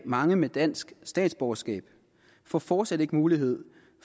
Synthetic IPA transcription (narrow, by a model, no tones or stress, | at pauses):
mɑ̈ŋəmed̥æn̰sɡ̥sd̥ɛ̰ːd̥sb̥ɒɐsɡ̥ɛ̰ːb̥ | fɒ̰ːfɒːd̥sæd̥e̝ɡ̥əmuːliɦe̝ð̞̰ˠ